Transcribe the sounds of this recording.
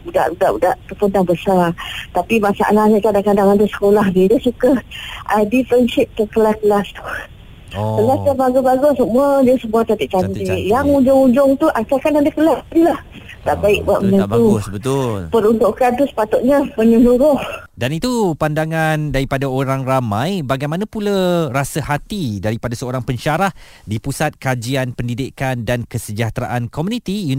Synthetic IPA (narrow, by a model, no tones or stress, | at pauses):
uda̰ʔudaʔudaʔat̪upundaŋbəsat̪apimasa̰ʔalahɲakadaŋkadaŋadasə̥kolahnidiəsukaʔadifɾɛnʃɪp̚t̪əkəlakəlast̪u̥ | əlasjabaɡubaɡusəmuadiəsəmuat̪at̪iʔ̚t͡ʃant̪eʔjaŋud͡ʒʊŋud͡ʒʊŋt̪uʔakakanadakəlasɾilah | t̪a̰ʔbaɪʔ̚ba̰ʔməɲaabauɡʊsbət̪ʊlpəɾunt̪ʊʔkant̪usə̥pat̪ʊʔ̪̚ɲapəɲəluɾʊhdanit̪upandaŋandaɾipadaoɾaŋramãjbaɡajmanãpulaɾasahat̪idaɾipadasəoɾaŋpəɲʃaɾah | dipusat̪̚kad͡ʒianpəndidikandankəsəd͡ʒaht̪ɾa̰ʔankɔmunĩt̪iju